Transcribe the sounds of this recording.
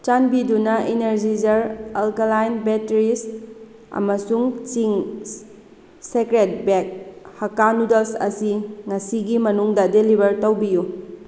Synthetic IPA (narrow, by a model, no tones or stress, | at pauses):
t͡ʃanbidunɐʔineɾd͡ʒid͡ʒɐɾɐlkɐlajnbetɾis | ɐ̰mɐsuŋt͡ʃiŋ | sekɾet̚bek̚hɐkanudelsɐ̰siŋɐsiɡimɐnuŋdɐdelibɐɾtɐwbiju